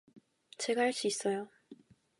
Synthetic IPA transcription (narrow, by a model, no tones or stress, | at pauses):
t͡ɕe̞ɡaɦaɭs͈uis͈ʌjo